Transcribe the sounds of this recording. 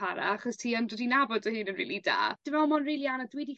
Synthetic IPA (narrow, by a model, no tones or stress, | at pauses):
aɾa̰aχɔstʰiːəndɛdinabɔdəɦɨːnənrḭːlˠida̰ːd̥ɪvɛlmɔnriːlˠianadwidi